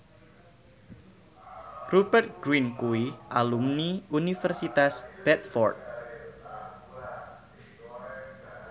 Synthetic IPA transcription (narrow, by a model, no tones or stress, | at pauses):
rubərt̪̚ɡ̥ɾinkuwiʔalumniunifərsit̪asb̥ɛt̪̚fɔ̰rt̪̚